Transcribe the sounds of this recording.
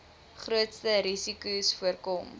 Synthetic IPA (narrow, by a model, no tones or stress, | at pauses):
χruətstəɾisikusfuərkɔm